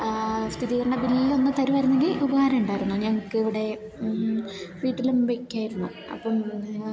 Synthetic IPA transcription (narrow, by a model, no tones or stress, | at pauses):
st̪ʰit̪ðiɐɾɐɳɐbilːo̞nːɨt̪ɐɾuʋɐjɾunːe̞ŋɡilubɐhaːɾɐmuɳɖaːjɾunːuɲɐŋːɐkːɨiʋiɽe̞ | fiːʈːilumbekʲːaːjiɾunːu | ɐ̰pːɐm